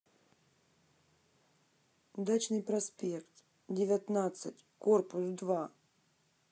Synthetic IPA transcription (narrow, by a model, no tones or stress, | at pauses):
ud̪at͡ɕnɨjpɾɐspʲekt̪ | dʲɪvʲat̪nat̪sɨtʲkorpʊsd̪va